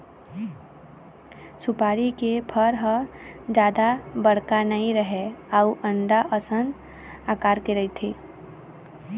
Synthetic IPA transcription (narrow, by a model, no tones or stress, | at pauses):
sʊpaːɾikepʰəɾɦəd͡ʒjaːd̪abəɽ̤kanəĩɾəɦeauʔə̃ɳɖaʔəsən | aːkaːɾkeɾəit̪ʰeː